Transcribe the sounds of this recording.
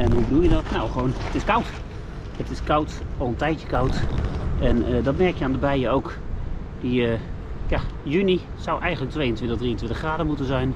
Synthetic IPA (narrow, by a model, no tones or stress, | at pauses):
ɛnɦubədulˠjədɔtnowχʋownətɪskʌwt | ətɪskʌwtɔlˠəntɛjtjə̥kawtʔɛnədɔtmɛrkjəaːndəbɛjəowk | diəjajyni | sawʔɛjən̩dlək̚tʋejəntʋɪ̃ntəχdriəntʋɪ̃ntəχraːdəmutənzɛjn